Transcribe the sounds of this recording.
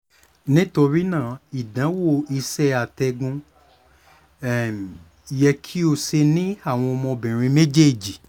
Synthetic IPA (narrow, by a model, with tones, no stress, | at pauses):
nĩ˦to˧ɾi˦nãː˦˨i˨dã˨˦wo˦˨i˧sɛ˧a˨tɛ˧ɡũ˧ | ɛ˦˨m˨ | i˨jɛ˧kʰi˦o˧se˧nĩ˦a˦˨w̃ɔ̃˧ɔ˧mɔ̃˧bĩ˨ɾ̃ĩ˧me˦d͡ʒe˦˨d͡ʒi˨